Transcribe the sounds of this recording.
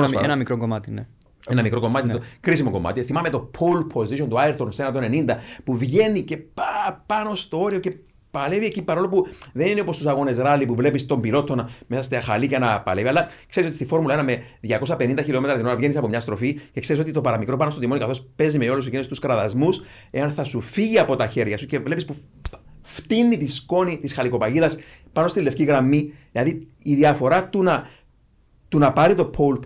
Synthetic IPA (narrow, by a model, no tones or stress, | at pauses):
senɐmikɾoŋɡomɐt̪ine | enɐmikɾo̞ko̞mɐt̪it̪okɾisimo̞ko̞ma̰t̪iθimɐme̞t̪o̞pʰolpʰo̞ziʃo̞nt̪uaeɾt̪o̞nsenɐt̪o̞nenind̪ɐpuvʝe̞nice̞ppɐno̞st̪o̞o̞ɾio̞ce | pɐle̞viecipɐɾo̞lopuðe̞ninepost̪usɐɣo̞ne̞zɾalipuvle̞pist̪o̞mbilo̞t̪ːonmesɐst̪eaxɐliceenɐpɐ̰le̞viɐlːɐkse̞ɾisotist̪ifo̞ɾmulɐenɐme̞ðʝɐko̞sɐpe̞nind̪ɐçilo̞me̞t̪ɾɐt̪ino̞ɾɐvʝe̞nisɐpo̞mɲɐst̪ɾoficekse̞ɾis̬o̞t̪it̪o̞pɐɾɐmikɾo̞pɐnost̪ot̪imonikɐθo̞spe̞zimeolus̬ecinest̪uskɾɐðɐzmus | e̞ɐnθɐsufiʝiɐpo̞t̪ɐçe̞ɾʝɐsuce̞vle̞pispu | ft̪inːit̪isko̞nit̪isxɐliko̞pɐʝiðɐspɐnost̪ilːe̞fciɣɾɐmːiðilɐðiiðiɐfo̞ɾɐt̪unɐ | t̪unɐpɐɾit̪o̞pʰolp